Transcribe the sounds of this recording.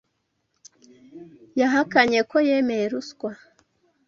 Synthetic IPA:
jaɦakaɲe̞ko̞jemejeɾuskwa

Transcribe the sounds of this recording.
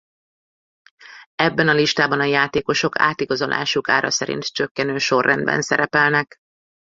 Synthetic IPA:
ɛbːɛnɒliʃt̪aːbɒnɒjaːt̪eːko̞ʃo̞ka̰ːt̪iɡɒzolʔa̰ːʃukaːɾɒ̰sɛɾḭnt̪t͡ʃøkːɛnøːʃo̞rːɛnd̪̚bɛ̰nsɛ̰ɾɛpɛlnɛk

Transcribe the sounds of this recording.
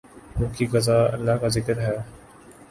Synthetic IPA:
mʊ̃ːkiɡɐzaːə̰lːaːɦkazɪkəɾɦɛː

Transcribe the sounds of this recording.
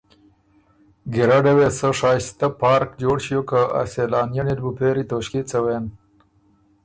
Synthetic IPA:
ɡiɾaɖewesəʂɑːst̪apɑːɾkd͡ʒoːɽʃijokaa̰selɑːnjanid̪bupeɾit̪oʃket͡səweːn

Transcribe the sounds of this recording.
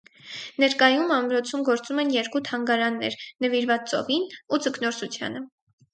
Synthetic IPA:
nɛɾkɑjumɑmɾɔt͡sʰumɡɔɾt͡sumɛnjɛɾkut̪ʰɑŋɡɑɾɑnːɛ̰ɾnəviɾvɑt͡st͡sɔ̰vinud͡zəknɔɾsut͡sʰjɑ̰nə

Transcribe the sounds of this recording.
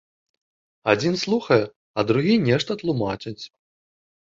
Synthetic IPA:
ad͡zʲinslˠuxɐjɛ | ɐd̪ɾuɣʲinʲɛʂt̪ɐt̪lˠumat͡ʂɨt͡sʲ

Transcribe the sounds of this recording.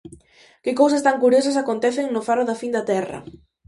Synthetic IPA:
kɪkows̬ɐst̪aŋkuɾjosɐs̬akont̪ɛθɪŋnʊfaroðafind̪ɐt̪ɛrɐ̰

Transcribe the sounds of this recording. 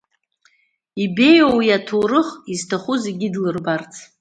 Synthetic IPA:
ibe̞jowijatʰorɨχiztʰaχuzeɡʲidlɨrbart͡sʰ

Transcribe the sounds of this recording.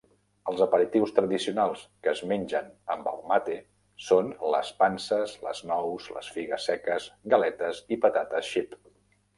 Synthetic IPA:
əlˠzəpəɾit̪iwst̪ɾəðisiunalˠskəːzmenʲd͡ʒənəmbə̰lˠmat̪e | sonlə̰spansəzlə̰znɔwzlə̰sfiɣəsɛkəzɡəlɛt̪əzipət̪at̪əsʃip

